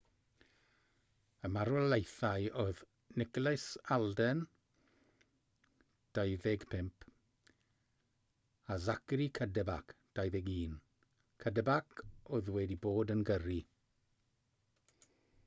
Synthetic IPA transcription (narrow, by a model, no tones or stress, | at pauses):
əmaɾɔlejθajɔð | nɪklɛsalˠdɛn | d̥ajðɛɡpʰɪmpʰ | azakɾikʰədəbakʰd̥ajðɛɡiːn | kʰədəbakʰɔðwɛdiboːdənɡəri